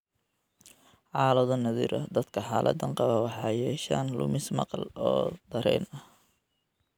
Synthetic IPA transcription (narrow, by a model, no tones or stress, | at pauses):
ʕɑːlɔðɐnɐðḭːɾʔɐ̰d̪ɐd̪kʰɐħaːlʔɐ̰d̪ɐɴqɑβɐwɑħɑːjɛːʃaːnlʊ̰mɪsmɑ̰qɑlɔːd̪̥ɐɾɛːnɐh